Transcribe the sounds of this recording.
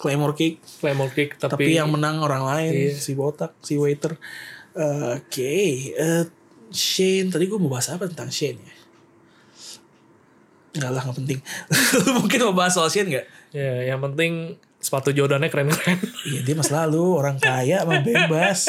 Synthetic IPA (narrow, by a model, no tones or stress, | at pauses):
klamɔrkɪk̚klamɔrkɪk̚t̪at̪aipijaŋmənaŋoɾaŋlaɪnsibot̪ak̚siwet̪ərəkeə | ʃent̪adiɡuaməbaɦasapat̪ənt̪aŋʃɛnja | ŋɡaʔlahŋɡaʔpənt̪ɪŋ | muŋkɪnməbaɦasalaʃɛnŋɡaʔijajaŋpənt̪ɪŋ | sə̥pat̪ud͡ʒodanɲakɾɛnkɾɛnijadiamasalaluoɾaŋkajaʔmabebas